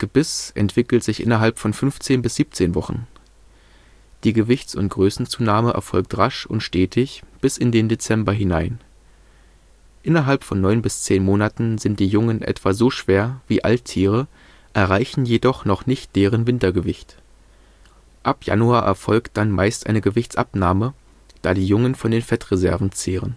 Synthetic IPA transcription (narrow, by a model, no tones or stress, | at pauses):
ɡ̥əbɪsʔɛ̰ntv̥ɪkl̩tz̥ɪçʔɪ̰nɐɦalpfɔnfʏnft͡seːnbɪsz̥iːp̚t͡seːnvɔχn̩ | d̥iːɡəvɪçt͡sʊ̰ntɡ̥ʁøːsn̩t͡suːnaːməʔɛ̰ɐfɔlk̚tʁaʃʊntʃteːtʰɪçb̥ɪsɪndeːndet͡sɛmbɐɦɪnaɪn | ʔɪnɐɦalpfɔnːɔʏnbɪst͡seːnmoːnatn̩zɪnt̚d̥iːjʊŋənʔɛ̰tv̥aːzoːʃv̥eːɐviːʔa̰lttʰiːʁ̞ə | ʔɛɐʁaɪçn̩jedɔχnɔχnɪçt̚d̥eːʁ̞ənvɪntɐɡəvɪçt | ʔapja̰nuaːʔɛ̰ɐfɔlkt̚d̥anma̰ɪstʔa̰ɪnəɡəvɪçt͡sʔa̰pnaːmə | d̥aːdiːjʊŋənfɔndeːnfɛtʁezɛɐvn̩t͡seːʁ̞ən